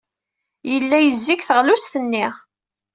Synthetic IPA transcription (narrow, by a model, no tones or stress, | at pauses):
jəlːæjəzːikθəʁlust̪ənːɪʁ